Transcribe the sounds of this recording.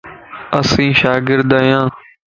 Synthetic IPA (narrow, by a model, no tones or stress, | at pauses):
əsĩːʃaːɡɪɾd̪aːjãː